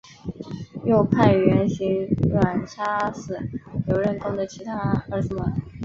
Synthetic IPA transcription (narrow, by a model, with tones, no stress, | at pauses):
jo˥˧ʊpʰa˥˩ɪɥɛ˧˥nɕi˧˥ŋɻwa˨˩nʈ͡ʂʰa˥sɹ̩˥˩jo˨˩ʊɻə˥˩nkʊ˥ŋd̪ə˨t͡ɕʰi˧˥t̪ʰa˥ə˧˥sə˨˩mə˨˩